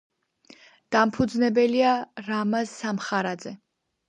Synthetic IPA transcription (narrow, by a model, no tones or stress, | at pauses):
d̪̥ampʰud̪znɛbɛliaɾamasːamχaɾad̪zɛ